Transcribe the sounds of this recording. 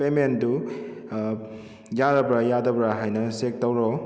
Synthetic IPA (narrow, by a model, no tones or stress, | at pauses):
pemendu | jaɾabɾajadabɾaɦajnɐsek̚tawɾɔ